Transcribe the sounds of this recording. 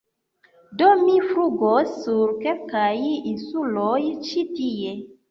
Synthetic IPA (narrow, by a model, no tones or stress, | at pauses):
domifɾuɡosːuɾkelkajinsulojt͡ʃitie̞